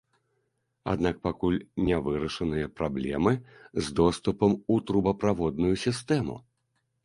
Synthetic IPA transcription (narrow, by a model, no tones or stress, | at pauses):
a̰d̪nak̚pakulʲnʲɛvɨɾɐʂɐnɨjɐpɾablʲɛ̰mɨzd̪ɔst̪upɐmut̪ɾubɐpɾavɔd̪̚nujusʲist̪ɛmṵ